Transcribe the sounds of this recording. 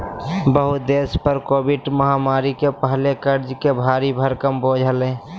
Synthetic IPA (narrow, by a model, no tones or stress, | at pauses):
bəɦud̪eːspəɾkoːbɪʈməɦamaːɾikepəɦlekəɾd͡ʒkebʱaːɾibʱəɾkəmboːd͡ʒʱəlẽː